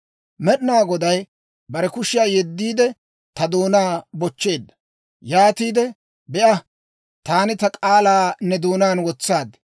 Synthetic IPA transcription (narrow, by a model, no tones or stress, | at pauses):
mɛɗɪnaːɡɔd̪ɐj | bɐɾɛkʊʃɪjaːjɛd̪ːiːd̪ɛ | t̪ɐd̪uːnaːbɔt͡ʃːe̞ːd̪ːɐ̥ | jaːt̪iːd̪ɛ | bɛʔɐ | t̪aːnɪt̪ɐkʼaːlaːnːɛd̪uːnaːnwɔt͡sːaːd̪